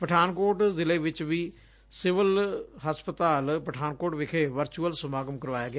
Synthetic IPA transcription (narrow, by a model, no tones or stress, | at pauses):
pəʈʰaːnkoːʈzɪleːʋɪt͡ʃʋiː | sɪʋəlɦəspət̪aːlpəʈʰaːnkoːʈʋɪkʰeːʋəɾt͡ʃuːəlsəmaːɡəmkəɾʋaːjaːɡɪ